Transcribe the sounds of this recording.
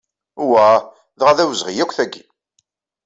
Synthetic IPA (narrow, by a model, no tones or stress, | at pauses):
uwæ | ðʁaðæwzʁijækʷːθæɡːi